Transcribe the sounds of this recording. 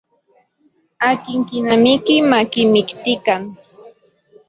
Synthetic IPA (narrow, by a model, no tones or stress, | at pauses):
akɪŋkɪnamɪkɪmakɪmɪkt̪ɪkaŋ